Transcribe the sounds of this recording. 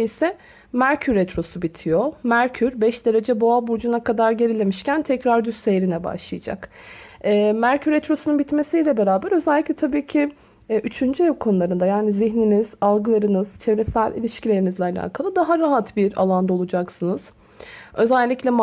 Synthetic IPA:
isɛ | mæɾcʰyɾɛt̪ɾo̞subit̪ʰijomæɾcʰyɾbɛʃd̪e̞ɾe̞d͡ʒɛbo̞abuɾd͡ʒunakʰad̪aɾɟe̞ɾilʲe̞miʃcʰænt̪ʰɛcɾaɾd̪ysejɾinɛba̰ʃlˠɯjad͡ʒa̰kɛːmæɾcʰyɾet̪ɾo̞sununbit̪me̞sijlʲɛbe̞ɾaːbæɾø̞zɛlʲːiclʲɛt̪ʰabiːcʰi | ʔyt͡ʃʰynd͡ʒyɛvkʰo̞nulˠaɾɯnd̪ajaːniziçniniz̥alˠɡɯlˠaɾɯnɯz̥t͡ʃʰe̞vɾesælʲʔḭlʲiʃcilʲe̞ɾinizlʲɛalʲa̰ːkʰalˠɯd̪aɦaɾaɦat̪biɾa̰lˠand̪ao̞lˠud͡ʒaksɯnɯz̥ | ø̞zælʲːiclʲɛm

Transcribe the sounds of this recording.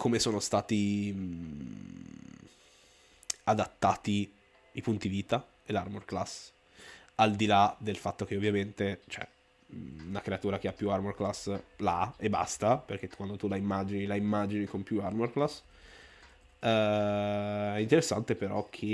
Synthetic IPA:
kʰomesoːnost̪aːt̪i | ad̪at̪ːaːt̪i | ipunt̪idiviːt̪a | elarmorklas | ald̪ilad̪elfat̪ːok̟eovːjament̪et͡ʃoɛ̰ | unakɾeat̪uːɾak̟eapːjuarmorklaslaaebːa̰st̪aperk̟et̪ːu̥kwand̪ot̪ulaimːad͡ʒinilaimːad͡ʒinikompjuarmorklas | ɛ | ɛint̪eɾesːant̪epeɾɔkʰe

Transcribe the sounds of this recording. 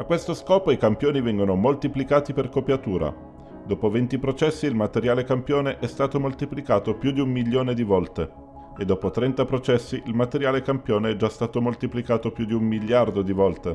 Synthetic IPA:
akwest̪oskɔːpoikampjoːnivɛŋɡonomolt̪iplikaːt̪iperkopjat̪uːɾa̰ | d̪oːpovent̪ipɾot͡ʃɛsːiːlmat̪eɾjaːlekampjoːneʔɛst̪aːt̪omolt̪iplikaːt̪opjud̪iumːiʎːoːned̪ivɔlt̪e | ed̪ːoːpot̪ɾɛnt̪apɾot͡ʃɛsːiʔilmat̪eɾjaːlekampjoːneɛd͡ʒast̪aːt̪omolt̪iplikaːt̪opjud̪iumːiʎːard̪od̪ivɔlt̪e

